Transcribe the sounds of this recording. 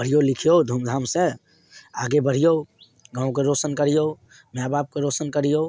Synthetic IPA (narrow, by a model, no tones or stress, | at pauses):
bəɽ̤ijolikʰijod̪ʱuːmd̪ʱaːmse | a̰ɡebəɽ̤ijo | ɡãːũkeɾosənkəɾijo | mjabab̚keɾosənkəɾ̤ijo